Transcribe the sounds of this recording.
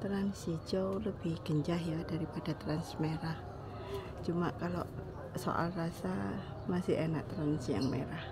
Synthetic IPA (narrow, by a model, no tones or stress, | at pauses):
t̪əɾansid͡ʒowləbɪhɡ̥əɲd͡ʒaɦjadaɾipadat̪əɾansmeɾah | t͡ʃumakalo | so̰ʔa̰lrasa | masɪhenaʔ̚t̪əɾansija̰ŋmḛɾah